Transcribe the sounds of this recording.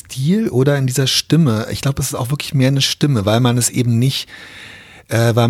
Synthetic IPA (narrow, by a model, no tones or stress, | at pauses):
tʰiːlʔoːdɐɪndiːzɐʃtɪməɪ̰çɡ̥laʊbəɛs̬ɪ̥staʊxvɪɐkʰlɪçmeːɐnəʃtɪməvaɪlmanɛsʔḛːbm̩nɪçt | ʔɛːvaɪ